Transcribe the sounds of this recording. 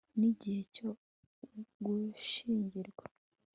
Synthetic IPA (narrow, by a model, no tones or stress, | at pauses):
niɟihe̞co | ɡuʃiːɲɟiɾɡwa